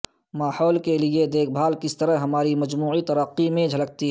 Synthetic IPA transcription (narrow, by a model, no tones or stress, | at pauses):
maːhɔːlkelied̪eːk̚ʰbʱaːlkɪst̪əɾəɦɦɐmaːɾimɐd͡ʒmuːit̪ɐɾəqːimẽd͡ʒʱɐlək̚t̪iɦ